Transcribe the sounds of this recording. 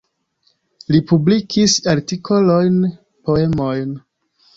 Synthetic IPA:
lipublikʰisaɾtikʰo̞lo̞jn | po̞e̞mo̞jn

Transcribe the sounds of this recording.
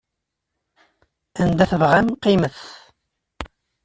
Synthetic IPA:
ænd̪æθəvʁæmqiməθ

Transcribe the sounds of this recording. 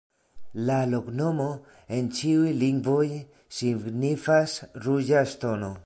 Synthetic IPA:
lalo̞kno̞mo̞ | e̞nt͡ʃiujliŋɡvo̞j | siɡnifasɾud͡ʒastono̞

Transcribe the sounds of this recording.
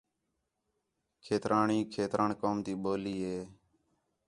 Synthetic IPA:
kʰeːt̪ɾʔaːɳiːkʰeːt̪ɾʔaːɳkoːmt̪iːɓoːliːɦeː

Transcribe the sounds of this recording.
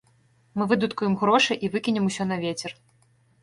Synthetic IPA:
mɨvɨd̪ut̪kujɛmɣɾɔʂɨʔivɨkʲinʲɛmusʲɔnɐvʲet͡sʲɛr

